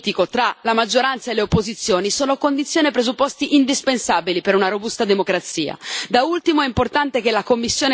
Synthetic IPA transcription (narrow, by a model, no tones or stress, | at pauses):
t̪ikot̪ɾalamad͡ʒːoɾant̪saelːeopːozit̪sːjoːnisoːnokond̪it̪sːjoːnepɾezupːɔst̪iʔind̪ispensaːbilipeɾunaɾobust̪ad̪emokɾat̪sḭːa̰d̪ault̪imoɛimport̪ant̪ekelakomːisːjoːn